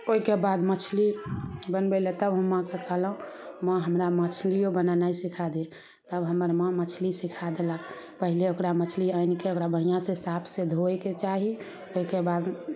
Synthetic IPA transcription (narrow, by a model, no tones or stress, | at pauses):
oikebad̪mət͡ʃʰlibənbɛlet̪əbɦəmːə̃kekəɦləɦũmə̃ɦəmɾamət͡ʃʰlijobənanaisikʰad̪e | t̪əbɦəməɾmə̃mət͡ʃʰlisikʰad̪elək | pəɦileokɾamət͡ʃʰliaɪnkeokɾabəɽ̤ijãsesapʰsed̪ʱoeket͡ʃaɦi | oikebad̪